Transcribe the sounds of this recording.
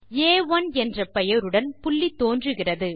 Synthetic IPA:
eːʋɐnɛndrɐpɛjɐɾɯɽɐnpʊɭːit̪ːoːndrɯɣɪrɐðɯ

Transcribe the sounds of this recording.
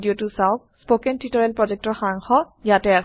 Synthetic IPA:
diotusaʊk̚spokɛntitɔɹɛlpɹɔd͡ʒɛk̚tɔɹxaŋxɔ | jatɛa

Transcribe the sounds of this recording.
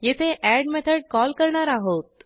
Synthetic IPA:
jet̪ʰeʔæɽmet̪ʰəɖ̚kɔlkəɾɳaɾaɦot̪̚

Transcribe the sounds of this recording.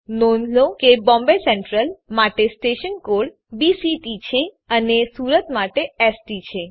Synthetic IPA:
nonlokebɔ̃mbesɛɳʈɾəlmaʈesʈeʃənkoɽ | bisiʈit͡ʃʰe | ənesuɾət̪maʈeɛsʈit͡ʃʰe

